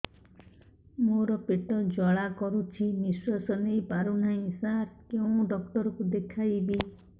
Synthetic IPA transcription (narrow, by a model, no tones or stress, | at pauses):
moɾɔpeʈɔd͡ʒɔɭakɔɾut͡ʃʰimiswasɔnejpaɾuɳ̤aĩsaɾkeũɖɔk̚ʈɔɾɔkud̪ekʰajbi